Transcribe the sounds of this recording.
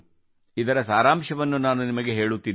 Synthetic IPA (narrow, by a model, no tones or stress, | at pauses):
id̪ɐɾɐsaːɾaːmʃɐʋɐnːunaːnunimɐɡe̞ɦe̞ːɭut̪ːin